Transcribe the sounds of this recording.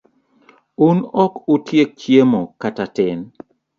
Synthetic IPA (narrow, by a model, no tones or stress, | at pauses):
unɔkʊtjek̚t͡ʃjemɔkatatɪn